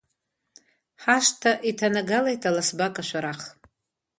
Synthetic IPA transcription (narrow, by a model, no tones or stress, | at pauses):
ħaʃtʰaʔitʰanaɡalajtʰalasbakʼaʃʷaɾaχ